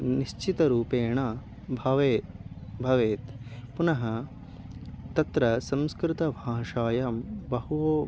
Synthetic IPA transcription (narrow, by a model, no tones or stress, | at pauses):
niʃt͡ʃit̪ɐɾuːpeːɳɐ | bʱɐʋeːbʱɐʋeːt̪punɐɦɐ | t̪ɐt̪ɾɐsɐmskɾɪt̪ɐbʱaːʂaːjaːmbɐɦuʋoː